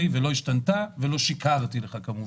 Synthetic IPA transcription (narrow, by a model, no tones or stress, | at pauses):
ivelo̞iʃtant̪avelo̞ʃikaʁt̪ileχakamuv